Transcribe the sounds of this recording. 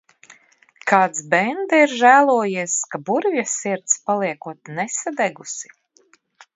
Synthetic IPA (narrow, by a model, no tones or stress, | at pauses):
kʰaːd̪sbɛnd̪ɛiɾʒæːlˠuɔjiɛskabuɾvʲjasiɾt̪spalˠiɛkuɔt̪nesad̪ɛɡusi̥